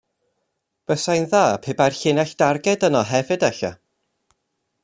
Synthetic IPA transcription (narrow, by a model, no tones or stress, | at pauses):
b̥əsajnðaːpʰeːbajrɬɪnɛɬd̥arɡɛdənɔɦɛvɨdɛɬa̰